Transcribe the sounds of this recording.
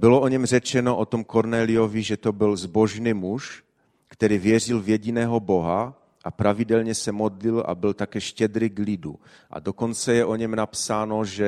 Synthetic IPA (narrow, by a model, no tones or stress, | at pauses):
bɪloʔoɲɛmr̝ɛt͡ʃɛnoʔot̪omkoɾnɛːlɪjoviʒɛt̪o̞bɪlzboʒnimuʃ | kt̪ɛɾiːvjɛr̝ilvjɛɟinɛːɦo̞bo̞ɦa | ʔapɾavidɛlɲɛsɛmod̪lilʔa̰bɪlt̪akɛːʃcɛd̪ɾɪɡlidu | ʔa̰do̞ko̞nt͡sɛjɛʔo̞ɲɛmnapsaːnoʒɛ